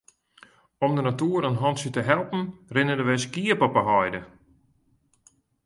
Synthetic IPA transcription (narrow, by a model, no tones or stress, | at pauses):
ɔmdənatuːəɾənɦɔnsətəɦɛlˠpn̩rɪnədəʋɛskiəpəpəɦɔjdə